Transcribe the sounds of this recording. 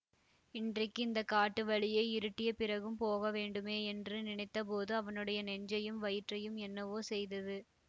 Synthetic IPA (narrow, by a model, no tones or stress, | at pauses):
ɪndrɐkːɯɪnd̪ɐkaːʈːɯʋɐɭɪjeːɪɾɯʈːɪjɐpɪrɐɣɯmpoːɣɐʋeːɳɖɯmeːɛndrɯnɪnɐɪt̪ːɐp̬oːðɯɐʋɐnɯɽɐjɐnɛɲd͡ʒɐjɯmʋɐjɪʈrɐjɯmɛnːɐʋoːsɛjðɐðɯ